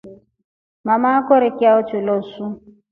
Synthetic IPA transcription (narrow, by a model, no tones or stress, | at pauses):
mamakɔɾɪkɪaʊt͡ʃɪlosu